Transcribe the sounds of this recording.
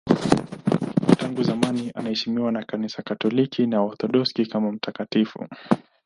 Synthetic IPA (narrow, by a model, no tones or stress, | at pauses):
taŋɡuzamaniʔa̰nahɛʃimiwanakanisakatɔlikʰinaɔɾt̪ɔɗɔskikamam̩tʰakatifṵ